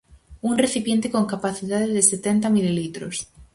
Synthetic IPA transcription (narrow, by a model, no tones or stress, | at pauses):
unreθipjent̪ekoŋkapaθiðaðeðeset̪ent̪amililit̪ɾo̰s